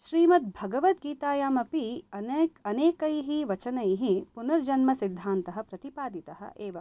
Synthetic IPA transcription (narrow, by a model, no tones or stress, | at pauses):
ʃɾiːmɐt̪̚bʱɐɡɐʋɐt̪̚ɡiːt̪aːjaːmɐpiɐnɐneːkɐjɦiʋɐt͡ʃɐnɐjɦipunɐɾd͡ʒɐnmɐsid̪ʱːaːnt̪ɐɦɐ̆pɾɐt̪ipaːd̪it̪ɐɦɐ̰ʔeːʋɐ